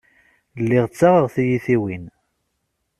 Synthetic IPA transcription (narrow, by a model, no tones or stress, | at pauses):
lːiʁt͡sːaʁəʁθijiθiwin